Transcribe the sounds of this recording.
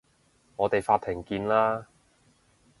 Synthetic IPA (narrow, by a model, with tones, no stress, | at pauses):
ŋɔː˨˧t̪e˨jfaː˧t̪ʰːɪ˨˩ŋkiː˧nlaː˥